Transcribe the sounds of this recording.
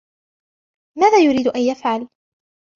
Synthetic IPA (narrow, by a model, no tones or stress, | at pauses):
maːðaːjʊɾiːd̪ʊʔanjafʕal